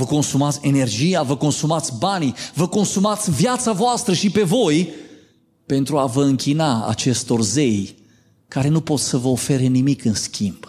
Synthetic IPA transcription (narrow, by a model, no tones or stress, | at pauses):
vəko̞nsumat̪sʲe̞ne̞rd͡ʒijavəko̞nsumat̪sʲbanivəko̞nsumat̪sʲvjat̪savoast̪ɾəʃipe̞vo̞j | pe̞nt̪ɾuavəɨŋkʲinaa̰t͡ʃe̞st̪o̞rze̞j | kaɾe̞nupo̞t̪ssəvəofe̞ɾe̞nimikɨnskʲʰimb̥